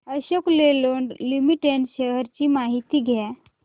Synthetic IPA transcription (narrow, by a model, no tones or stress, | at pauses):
əɕəkleloːɳɖlimiʈeɳʈɕəɦəɾt͡ɕiːmaɦit̪iːɡʱja